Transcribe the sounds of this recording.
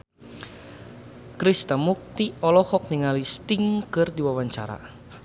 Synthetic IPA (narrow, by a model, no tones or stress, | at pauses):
kɾist̪amuk̚t̪iɔlɔhɔk̚niŋalist̪iŋkɨrdiwawaɲt͡ʃa̰ɾa̰